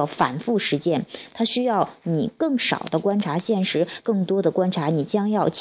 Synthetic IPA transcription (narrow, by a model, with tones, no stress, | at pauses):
fa̰˨˩nfu˥˩ʂɻ̩˧˥t͡ɕjɛ˥˩nt̪ʰa˥ɕy˥jɑ˥˩ʊni˨˩kɤ˥˩ŋʂɑ̰˨˩ʊd̪ə˦kwa˥nʈ͡ʂʰa˧˥ɕjɛ˥˩nʂɻ̩˧˥kɤ˥˩ŋt̪wɔ˥d̪ə˨kwa˥nʈ͡ʂʰa˧˥ni˨˩t͡ɕjɑ˥ŋjɑ˥˩ʊt͡ɕʰ